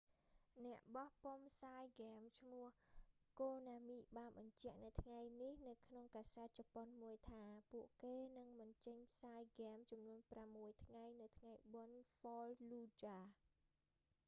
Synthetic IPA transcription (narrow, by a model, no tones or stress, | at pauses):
nɛ̆əʔɓɑhpompʰsaːjɡamt͡ɕʰmʊəhkoːnaːmiːɓaːnɓɑɲt͡ɕɛ̆əʔnɨwt̪ʰŋajnihnɨwkʰnoŋkaːsaət̪̚t͡ɕɑponmuəjt̪ʰaːpuəʔkeːnɨŋɓɑnt͡ɕəɲpʰsaːjɡɛːmt͡ɕɑmnuənpramːuəjt̪ʰŋajnɨwt̪ʰŋajɓonfɔːlluːt͡ɕaː